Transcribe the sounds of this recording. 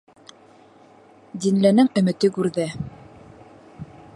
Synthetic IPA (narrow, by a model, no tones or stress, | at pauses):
d̪inlænɘŋɵ̆mɘ̆t̪ɘkʉɾðɘ